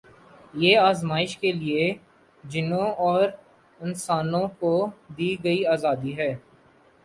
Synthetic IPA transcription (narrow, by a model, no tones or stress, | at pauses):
jeːaːzmaːɪʃkelie | d͡ʒɪnõɔːɾ | ɪnsaːnõkod̪iːɡɐiaːzaːd̪iɦɛː